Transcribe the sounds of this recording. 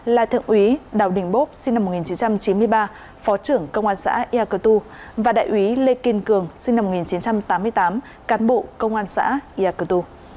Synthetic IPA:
la̰ː˨t̪ʰɨ̰˧˨əŋʔwi˨˦ɗaː˨˩wɗï˨˩ŋ̟ɓo˦˥t̚si˧na˧m̚ː˨˩i˨˩nt͡ɕi˨˦nt͡ɕa˧mt͡ɕi˨˦nmɨ˧əjɓaː˧ | fɔ˨˦t͡ɕɨ˧˩əŋkə˧wŋ͡mʔaː˧nsa̰ː˧˥ʔi˧aː˧kə˧t̪u˧ | vaː˨˩ɗa̰ː˧˨jʔwi˨˦le˧ki˧˩nkɨ˨˩əŋsi˧ŋna˧mːo˨˩t̚ŋi˨˩nt͡ɕi˨˦nt͡ɕa˧mt̪aː˨˦mːɨ˧əjt̪aː˨˦m | kaː˨˦nɓo̰˧˨kə˧wŋ͡mʔaː˧nsa̰ː˧˥ʔi˧ʔaː˧kə˧t̪u˧

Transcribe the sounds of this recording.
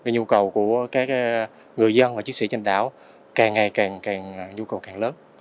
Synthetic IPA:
e˨˩ɲu˧kə˨˩wku˧˩əkaː˨˦˥k̚ | ŋɨ˨˩əjzə˧nvaː˨˩t͡ɕi˦˥ŋ̚sḭ˧˩t͡ɕa˧nɗa̰ː˧˥˨w | kaː˨˩ŋːa˨˩jkaː˨˩ŋkaː˨˩ŋ˩ɲu˧kə˨˩wkaː˨˩ŋləː˨˦n

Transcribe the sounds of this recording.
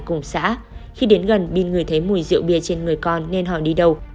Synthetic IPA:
kʊ˨˧˩ŋ͡msa̰ː˧˥ | xi˧ɗe˨˦nɣə˨˩nɓḭ˧˨nŋɨ˨˩əjt̪ʰə˨˦jmu˧˩jzɨ̰˧˨wɓi˧˩ət͡ɕe˧nŋɨ˨˩əjkɔ˧nːe˧nɦɔ̰˧˩ɗi˧ɗə˨˧w

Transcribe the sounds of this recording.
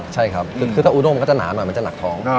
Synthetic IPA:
t͡ɕʰa˥˩jkʰɾa˦˥p̚ʰɯ˧kʰɯː˧aː˥˩ʔu˧no˥˩m˧kɔ˥˩t͡ɕa˨˩na̰ː˩˦nɔː˨˩jm˧nt͡ɕa˨˩na˨˩kt̪ʰɔː˦˥ŋ

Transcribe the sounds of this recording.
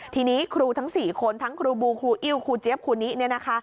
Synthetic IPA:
t̪ʰiː˧niː˦˥kʰɾuː˧t̪ʰa˦˥ŋsiː˨˩kʰo˧nt̪ʰa˦˥ŋkʰɾuː˧buː˧kʰɾuː˧ʔi˧˥wkʰuː˧t͡ɕe˦˥p̚kʰuː˧niː˦˥ni˦˥˩ɐna˦˥kʰa˦˥

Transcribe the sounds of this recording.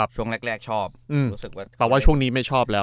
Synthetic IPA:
a˨˩p̚t͡ɕʰu˥˩əŋle˦˥k̚ɾɛː˥˩k̚t͡ɕʰɔː˥˩p̚ʔɯː˧muː˦˥sɯ˨˩k̚waː˥˩t̪ɛː˨˩waː˥˩t͡ɕʰu˥˩əŋniː˦˥ma˥˩jt͡ɕʰɔː˥˩p̚lɛː˦˥

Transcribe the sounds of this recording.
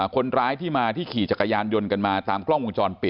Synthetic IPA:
kʰo˧nɾaː˦˥jt̪ʰiː˥˩maː˧t̪ʰiː˥˩kʰiː˨˩t͡ɕa˨˩kːa˧jaː˧njo˧nka˧nmaː˧t̪aː˧mkʰlɔ˥˩ŋʔu˧ŋt͡ɕɔː˧npi˨˩

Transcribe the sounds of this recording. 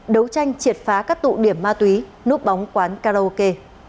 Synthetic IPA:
ɗə˨˦wt͡ɕa˧jŋ̟t͡ɕi˨˩ət̚faː˨˦kaː˦˥k̚t̪ṵ˧˨ɗi˧˩əmːaː˧t̪wi˨˦ | nu˦˥əp̚ɓa˨˦wŋ͡mkwaː˨˦nkaː˧ɾa˧o˧ke˧

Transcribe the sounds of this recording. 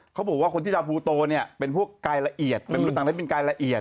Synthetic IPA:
kʰa˦˥bɔː˨˩k̚wa˥˩ko˧nt̪ʰiː˥˩a˧pʰuː˧t̪oː˧ni˥˩ɐpe˧npʰu˥˩əkːaː˧jla˧ʔi˨˩ət̪̚pe˧nː˧˦˥t̪ːa˨˩a˦˥˩pe˧nkaː˧jla˧ʔi˨˩ət̪̚

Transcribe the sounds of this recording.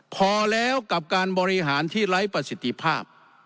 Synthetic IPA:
pʰɔː˧lɛː˦˥wka˨˩p̚kaː˧nbɔː˧ɾi˧ɦaː˩˦nt̪ʰiː˥˩ɾa˦˥jpɾa˧si˨˩t̪ʰːi˧pʰaː˥˩p̚

